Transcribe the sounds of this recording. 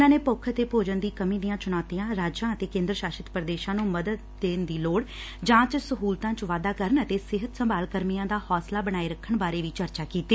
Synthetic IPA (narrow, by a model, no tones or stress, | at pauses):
ʊnãːneːpʊkʰːət̪eːpoːd͡ʒənd̪iːkəmĩːd̪ijãːt͡ʃʊnɔːt̪ijãːɾaːd͡ʒãːət̪eːkẽːnd̪ɾəʃaːʃɪt̪pɾəd̪eːʃãːnũːməd̪əd̪̚d̪eːnd̪iːloːɽ | d͡ʒãːt͡ʃsəɦuːlt̪ãːt͡ʃʋaːd̪aːkəɾənət̪eːsɪɦət̪səmbaːlkəɾmijãːd̪aːhɔːslaːbəɽ̃aːiːɾəkʰːəɳbaːɾeːʋiːt͡ʃəɾt͡ʃaːkiːt̪ːeː